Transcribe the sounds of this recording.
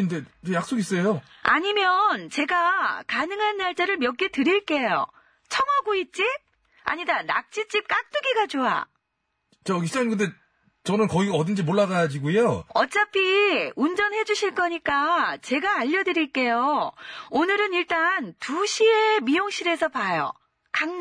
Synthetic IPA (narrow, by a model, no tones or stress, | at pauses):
inde̞jak̚s͈oɡis͈ʌjo | aɲimjʌnt͡ɕe̞ɡakanɯŋɦanːaɭt͡ɕ͈aɾɯɭmjʌk͈etɯɾiɭk͈e̞jo̰ | t͡ɕʰʌŋɦaɡoit̚t͡ɕ͈ip̚ | a̰ɲidana̰k̚t͡ɕ͈it͡ɕ͈ip̚k͈ak̚t͈uɡiɡat͡ɕoa̰ | t͡ɕaiit͡ɕankɯnde̞ | t͡ɕʌnɯnkʌiʌdɯnd͡ʑimoɭːaɡad͡ʑiɡujoʌt͡ɕ͈apʰiund͡ʑʌnhe̞d͡ʑuɕʰiɭk͈ʌɲik͈at͡ɕe̞ɡaːʎːʌdɯɾiɭk͈e̞jo | onɯɾɯniɭt͈antuɕʰiemijoŋɕ͈ʰiɾe̞sʰʌpajo̰ | kaŋ